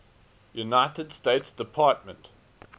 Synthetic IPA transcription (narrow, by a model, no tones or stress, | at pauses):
junaɪtədstetsd̥ɪpʰɑˑt̚mə̰̃nt